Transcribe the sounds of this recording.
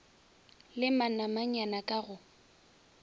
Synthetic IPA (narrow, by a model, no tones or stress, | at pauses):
lɪmanamaɲanakʼaɣʊ